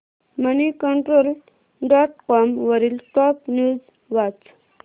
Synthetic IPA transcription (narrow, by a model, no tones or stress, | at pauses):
mənikəɳʈɾol | ɖɔʈ̚kɔmʋəɾiːlʈɔpnjuːd͡z | ʋat͡s